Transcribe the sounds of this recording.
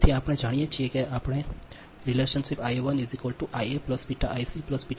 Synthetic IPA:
t̪ʰiaːpɽ̃ẽd͡ʒaːɽ̃ijet͡ʃʰiekeaːpɽ̃e | ɾileːʃənsipaːjeʋənizikəlʈuʔajeplɐspiʈaʔajsiplɐspi

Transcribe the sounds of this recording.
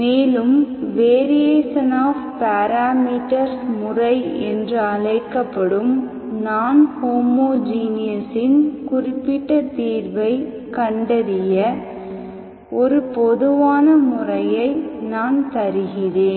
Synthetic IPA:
meːlɯmʋeːɾɪjeːsɐnaːfpaːɾaːmiːʈːɐɾsmʊrɐɪɛ̰ndrɯɐɭɐɪkːɐpːɐɽɯm | naːnhoːmoːd͡ʒiːnɪjɐsɪnkʊrɪpːɪʈːɐt̪iːɾʋɐɪ | kɐɳɖɐɾɪjɐ | ɔɾɯpɔðɯʋaːnɐmʊrɐjɐɪnaːnt̪ɐɾɯɣɪreːn

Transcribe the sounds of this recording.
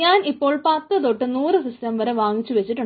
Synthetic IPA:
ɲaːnipːo̞ːɭpɐt̪ːɨðoʈːɨnuːrɨsistɐmʋɐɾeʋaːŋit͡ɕːuʋet͡ɕːiʈːuɳ

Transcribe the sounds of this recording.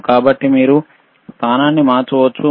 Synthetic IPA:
kaːbɐʈːimiːɾu | st̪ʰaːnaːnːimaːt͡ʃuʋɐt͡ʃːu

